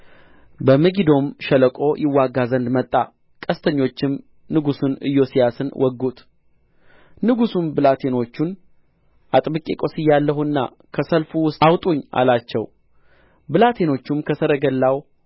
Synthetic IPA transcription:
bəməɡid̪o̞mʃələkʼo̞jʔɪwːaɡːazənd̪mət̪ʼːa | kʼəst̪ʰəɲːo̞t͡ʃːɪm | nɨɡusunɨ̰jːo̞sijasɨnwʔɔɡut̪ | nɨɡusumbɨlat̪ʰe̞no̞t͡ʃːun | ʔat̪ʼbɨkʼekʼo̞sɨjːalːəhuɨnːa̰ | kʰəsəlfuwʊsawt̪ʼuɲːa̰lat͡ʃːɛw | bɨlat̪ʰe̞no̞t͡ʃːumkʰəsəɾəɡəlːaw

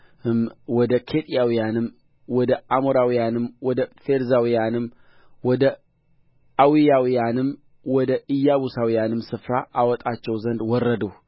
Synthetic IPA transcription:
ɨmwɔd̪əkʰet̪ʼijawijanɨmː | wɔd̪əʔamoɾawijanɨmwɔd̪əfeɾzawijanɨm | wɔd̪ə | awijawijanɨm | wɔd̪əʔɨjːaβusawijanɨmsɨfɾaʔawɔt̪ʼat͡ʃːɛwzənd̪wɔrːəd̪əw

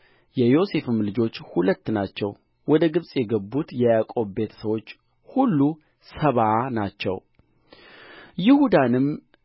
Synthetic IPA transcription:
jɛjo̞se̞fɨmlɨd͡ʒo̞t͡ʃːhulət̪ːnat͡ʃːɛw | wɔd̪əɡɨβsʼjɛɡəbːut̪jɛjakʼo̞bbe̞t̪ʰə̥səwo̞t͡ʃː | hulːu | səβanat͡ʃːɛ̰w | jɪhud̪anɨm

